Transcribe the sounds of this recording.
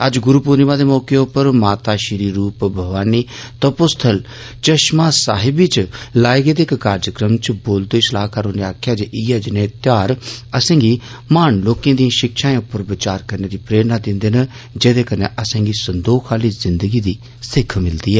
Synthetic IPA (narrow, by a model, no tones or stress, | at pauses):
əd͡ʒɡʊɾuːpoːnimãːd̪eːmɔːkeʊpːəɾmaːt̪aːʃɪɾiːɾuːpbʱəʋaːniːt̪oːpʊst̪ʰəl | t͡ʃəʃmãːsaːɦɪbiːt͡ʃlaːeɡeːd̪eːkkaːɾd͡ʒəkɾəmt͡ʃboːld̪oːɪslaːkʰaɾoːneaːkʰjaːd͡ʒeʔiːɛːd͡ʒɪnẽːt̪jaːɾəsẽːɡiː | maːnloːkẽːd̪ijãːʃɪkʃãːẽʊpːəɾbɪt͡ʃaːɾkəɾneːd̪iːpɾeːɾnaːd̪ɪ̃nd̪eːnə | d͡ʒed̪eːkənḛːʔəsẽːɡiːsənd̪oːxʰaːliːzɪnd̪əɡiːd̪iː | sɪkʰmɪld̪iːɛː